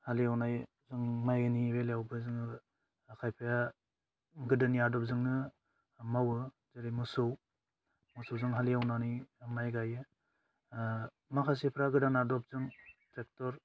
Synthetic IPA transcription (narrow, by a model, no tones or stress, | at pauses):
haliawnaj | zɯŋmajɡaniweljawbɯzɯŋ | kʰajpʰaja | ɡɯdaniadɔp̚zɯŋnɯ | mawɯ | zɯɾimusɯw | musɯwzɯŋɦalijawnanimajɡajɯ | makʰas̬ipʰɾaɡɯdanadɔp̚zɯŋtek̚tɔɾ